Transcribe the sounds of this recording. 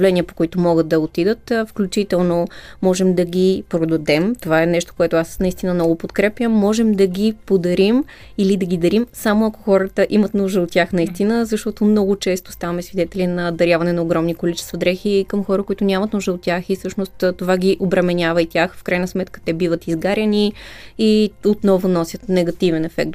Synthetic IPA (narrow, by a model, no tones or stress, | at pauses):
vlɛniəpo̥kʊit̪omɔɡət̪̚d̪ɐot̪id̪ət̪ːfklʲut͡ʃit̪ɛlˠnomɔʒɛmd̪ɐɡʲipɾod̪ɐd̪ɛmt̪ovaɛnɛʃt̪o̥koɛt̪ʊasnɐist̪inəmnɔɡʊpot̪kɾɛpjəmːɔʒɛmd̪ɐɡʲipod̪ɐɾim | ilid̪ɐɡid̪ɐɾimsamoɐko̥xɔɾət̪əʔimət̪nuʒd̪əot̪̚ːʲjaxnɐist̪inəzɐʃt̪ɔt̪omnɔɡʊt͡ʃɛst̪o̥st̪avɐmɛsvid̪ɛt̪ɛlinɐd̪ɐɾʲjavɐnɛnɐoɡɾɔmnikolit͡ʃɛ̥st̪vɐd̪ɾɛxikəmxɔɾəkʊit̪ʊnʲamɐt̪nuʒd̪əot̪ːʲjaxisɤʃnost̪ːt̪ovaɡʲiʔobɾɐmɛnʲavəit̪ʲjaxfkɾajnəsmɛt̪kə̥t̪ɛbivət̪izɡaɾʲɐniiot̪nɔvʊnɔsʲjət̪nɛɡɐt̪ivɛnɛfɛ̰k̚t̪